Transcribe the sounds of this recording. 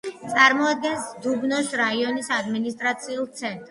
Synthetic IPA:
t̪sʼaɾmɔad̪̚ɡɛnsd̪ubnɔsɾaiɔnisad̪minist̪ʼɾat̪sʰiulˠt̪sʰɛnt̪ʼɾ

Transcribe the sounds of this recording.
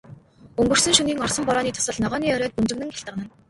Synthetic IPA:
ɵŋɡɵ̆r̥sɵ̆ŋʃɵniːŋɔrsɞ̆mpɔɾɔːniːt̪ʰʊ̥sə̆ɮnɔʁɔːniːœɾœːt̪̚punt͡ɕɘ̆nɘ̆ŋxʲaɬt̪ə̆qnə̆n

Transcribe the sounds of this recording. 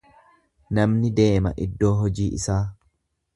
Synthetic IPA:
nɐmnɪd̪e̞ːmɐ̰ʔɪd̪ːo̞ːɦɔd͡ʒiːʔɪsaː

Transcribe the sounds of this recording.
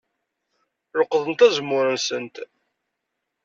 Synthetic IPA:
ɾəqːðˤənt̪æzəmːʊɾənsənt̪

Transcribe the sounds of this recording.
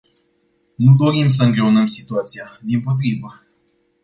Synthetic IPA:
nud̪o̞ɾims̬əɨŋɡɾe̞onəmsi̥t̪uat̪sijad̪impo̞t̪̬ɾivə

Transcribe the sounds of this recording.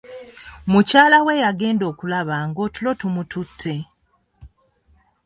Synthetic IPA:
mucaːlawe̞jaɡe̞ːndo̞ːkulaβaːŋɡo̞tulo̞tumutʰutʰːe̞

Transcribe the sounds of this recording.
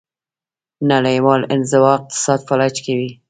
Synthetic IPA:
nalajwɑlɪ̰nzɪwɑɪq̚t̪ɪ̥sɑd̪falat͡ʃkawi

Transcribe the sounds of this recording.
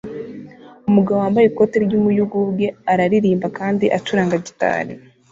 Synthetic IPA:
umuɡaβoaːmbajeko̞teɾɟuːmujuɡuβɡe̞aɾaɾiɾiːmbakaːndiʔat͡ʃuɾaːŋɡaɟita̰ːɾḭ

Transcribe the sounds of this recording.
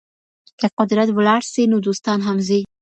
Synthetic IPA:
kaqʊd̪ɾat̪bʊlaɾsenud̪ust̪ɑnɦamzej

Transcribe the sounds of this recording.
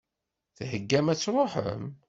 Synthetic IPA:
θhəɡːæmæt͡sːɾˤoħə̰m

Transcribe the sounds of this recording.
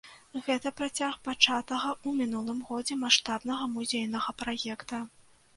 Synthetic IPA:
ɣɛt̪ɐpɾat͡sʲaxpat͡ʂat̪ɐɣɐumʲin̪ulˠɨmɣɔd͡zʲɛmaʂt̪abnɐɣɐmuzʲejnɐɣɐpɾajɛkt̪ɐ

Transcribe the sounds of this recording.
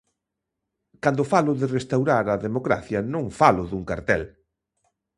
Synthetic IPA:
kand̪ʊfalʊðɪrest̪awɾaɾɐðemokɾa̰θjɐnõŋfalʊðuŋkaɾt̪ɛ̰l

